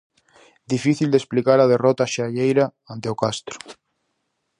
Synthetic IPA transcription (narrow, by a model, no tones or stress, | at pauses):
d̪ifiθild̪esplikaɾað̞erot̪aʃaʎejɾa | ant̪eokast̪ɾo̥